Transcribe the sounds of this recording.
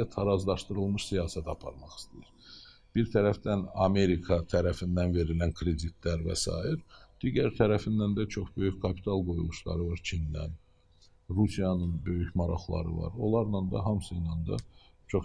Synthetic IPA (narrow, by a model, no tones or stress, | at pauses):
æt̪ʰɑɾɑzlˠɑʃt̪ɯɾɯlˠmɯʃsijɑːsæt̪ʰɑpʰɑ̰ɾmɑχi̥st̪ijiɾ̥ | b̥iɾt̪ʰæɾæfd̪ænɑme̞ɾikʰɑt̪ʰæɾæfind̪ænve̞ɾilænkʰɾe̞d̪it̪ʰlæɾvæ̰sɑ̰ːjiɾd̪̥iɟæɾt̪ʰæɾæfind̪ænd̪æt͡ʃʰo̞χbø̞jyçkʰɑpʰi̥t̪ʰɑlˠɡo̞julˠuʃlˠɑ̰ɾɯvɑɾt͡ʃʰind̪æ̰n | ɾusijɑnɯnbø̞jyçmɑɾɑ̰χlˠɑ̰ɾɯ̰vɑ̰ɾo̞̰lˠɑɾnɑnd̪ɑ̰ɦɑmsɯjnɑnd̪ɑ̰t͡ʃʰo̞χ